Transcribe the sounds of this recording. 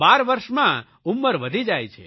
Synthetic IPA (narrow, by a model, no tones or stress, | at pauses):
baɾʋəɾʃmã | umːəɾʋəd̪ʱid͡ʒajt͡ʃʰḛ